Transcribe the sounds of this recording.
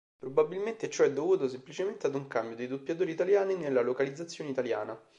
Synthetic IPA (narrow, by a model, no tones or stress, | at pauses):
pɾobabilment̪et͡ʃoɛd̪ːovuːt̪osemplit͡ʃement̪ead̪uŋkambjod̪ejd̪upjat̪̬oːɾit̪aljaːninelːalokalid̪zːat̪sːjoːneit̪alja̰ːna